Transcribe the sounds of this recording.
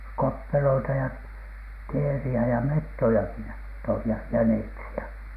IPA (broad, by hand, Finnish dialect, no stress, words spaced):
kopːeloitɑ jɑ teːriæ jɑ metːojɑki jɑ toih jɑ jæneksiæ